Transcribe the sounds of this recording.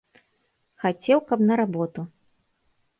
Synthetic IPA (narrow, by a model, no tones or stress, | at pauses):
xat͡sʲɛwkɐpnɐɾabɔt̪u